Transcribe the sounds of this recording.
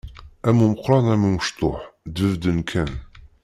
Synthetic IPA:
æmuməqɾˤɑnæmuməʃt̪o̰ħd̪əvd̪ənkʰæn

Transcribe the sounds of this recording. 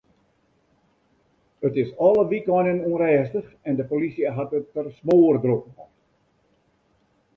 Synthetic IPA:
ətɪsɔləʋikɔnənuənɾɛːstəxɛndəpolisjəɦatətːərsmoːərdroknɔf

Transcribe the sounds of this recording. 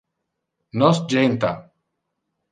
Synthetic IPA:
nɔsd͡ʒent̪a̰

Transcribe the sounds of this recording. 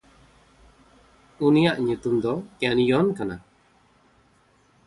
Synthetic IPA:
unijaʔɲut̪umd̪ɔkɛnjɔnkana

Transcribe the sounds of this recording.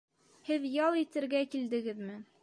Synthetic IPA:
hɘðjɑlˠit̪ɘ̆ɾɡækild̪ɘ̆ɡɘðmɘ

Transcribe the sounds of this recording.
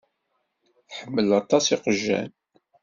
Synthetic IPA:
θħəmːəlɑt̪ˤɑsiqəʒːæ̰n

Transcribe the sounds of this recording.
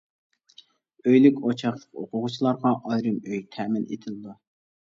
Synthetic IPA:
øjlɪkʲot͡ʃʰɑχlˠə̥qoqʰʊʁʊt͡ʃʰilˠɑɾʁɑʔɑjɾɨmøjt̪ʰɛːmɪnʔḛt̪ʰɪlɪd̪u

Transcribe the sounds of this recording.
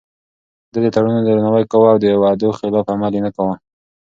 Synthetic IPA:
d̪ad̪ət̪aɽunod̪ɾanawajkawəawd̪əwad̪oxɪlɑfamalenakawə

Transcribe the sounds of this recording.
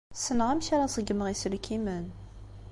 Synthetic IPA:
sənəʁæmçaɾasəɡːəməʁisəlkimən

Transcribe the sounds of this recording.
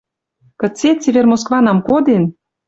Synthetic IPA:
kə̆t͡set̪̚sʲeβʲermoskvɑnɑmkod̪en

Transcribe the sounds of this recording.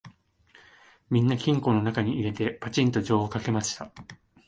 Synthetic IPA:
mʲĩnːakʲĩŋko̞ːno̞nakaɲ̟iːɾe̞t̪e̞pat͡ɕĩnt̪o̞d͡ʑo̞ːokake̞maɕi̥t̪a

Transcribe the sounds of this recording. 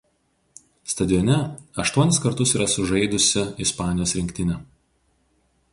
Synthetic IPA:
st̪ɐd̪ʲɪjɔnʲɛɐʃt̪uɔnʲɪskɐɾt̪ʊsiːɾɐsʊʒɐɪd̪ʊsʲɪɪspɑːnʲɪjoːsɾʲɪŋkʲt̪ʲɪnʲɛ

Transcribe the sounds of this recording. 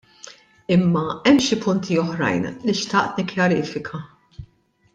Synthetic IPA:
ɪmːɐɛmʃipʊnt̪ʰiɔħɾɐ̰jnliʃt̪ɐʔt̪nɪkjɐɾiːfɪkʰɐ

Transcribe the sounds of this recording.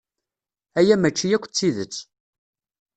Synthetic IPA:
æjæmæt͡ʃːijækʷːt͡sːiðət͡sː

